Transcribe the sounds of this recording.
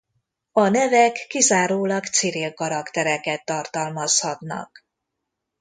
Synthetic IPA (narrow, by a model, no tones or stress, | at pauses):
ɒnɛvɛkːizaːɾoːlɒkt̪siɾilkɒɾɒkt̪ɛɾɛkɛt̪ːɒrt̪ɒlmɒshɒt̪nɒ̰k